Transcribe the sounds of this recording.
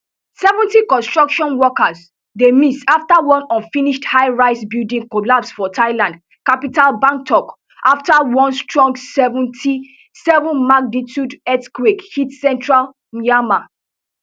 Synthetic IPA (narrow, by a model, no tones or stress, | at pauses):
sɛvɔ̃ntikɔ̃nstɹ̥ɔkʃɔ̃nwɔkas | demisaftawɔ̃nɔ̃nfĩniʃthaɪɹaɪsbildĩŋkolapsfɔtʰaɪlãnd | kapitalbãŋk̚tʰɔk | ʔaftawɔ̃nstɹɔ̃ŋɡsɛvɔ̃ntʰi | sɛvɔ̃nmaɡ̚nitjudɛtkwekhitsɛ̃ntɹal | miama